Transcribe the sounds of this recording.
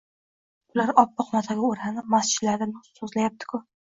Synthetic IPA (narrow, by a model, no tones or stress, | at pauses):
ʊlaɾɒpːɨqmat̪ʰaɡʲaoɾhanɪmast͡ʃʰɪt̪laɾd̪ʲanɪsɵzlajap̚t̪ʰɪ̥kʰʊ